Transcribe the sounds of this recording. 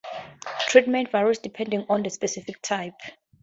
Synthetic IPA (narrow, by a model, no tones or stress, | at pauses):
tʰɹitmɛ̃ntvaɹusdipʰɛ̃ndĩŋɔ̃ndəspɛsifik̚tʰajp